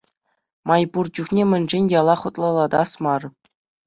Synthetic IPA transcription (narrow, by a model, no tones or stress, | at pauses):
mɑjpurd͡ʑuχnʲemʲɘ̆nʲʐenʲjɑlˠɑχut̪lˠɑlˠɑd̪ɑsmɑr